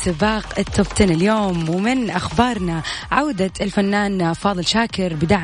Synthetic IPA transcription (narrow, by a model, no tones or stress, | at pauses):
sɪbɑːqɪt̪ːʊft̪ɪnɪljoːmwɪmɪnʔaxbɑːɾˤnaʕawd̪aɪlfanːaːnfɑːðˤɨlʃaːkɪɾbɪd̪aʕ